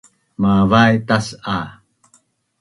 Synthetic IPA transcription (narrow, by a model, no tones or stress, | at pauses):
mavajt̪asa